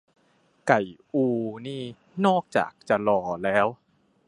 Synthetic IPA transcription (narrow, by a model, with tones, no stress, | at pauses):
ka˨˩jʔuː˧niː˥˩ | nɔː˥˩k̚t͡ɕa̰ː˨˩k̚t͡ɕa˨˩lɔː˧lɛː˦˥w